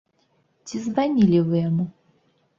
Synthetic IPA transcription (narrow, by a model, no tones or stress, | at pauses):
tʲizvanʲilʲɪvɨjamu